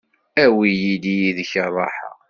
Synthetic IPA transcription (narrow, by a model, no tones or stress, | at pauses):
æwijilijiðəçərˤːɑħə̰